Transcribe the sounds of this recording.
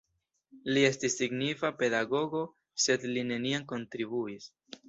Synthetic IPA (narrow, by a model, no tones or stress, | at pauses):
lie̞stisːiɡnifape̞daɡo̞ɡo̞ | se̞dline̞niaŋko̞ntɾibuis